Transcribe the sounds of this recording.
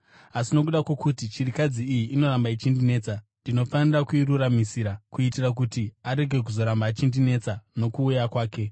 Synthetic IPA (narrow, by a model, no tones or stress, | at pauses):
asino̞k̬uɗakwo̞kutit͡ʃirikad͡ziːjiʔːno̞ɾambait͡ʃindine̞ːt͡sandino̞fanirakuiɾuɾamisiːɾakuitirak̬utiaɾe̞ɡʱe̞k̬uzo̞ɾambaːt͡ʃindine̞t͡sano̞kuːjakwaːke̞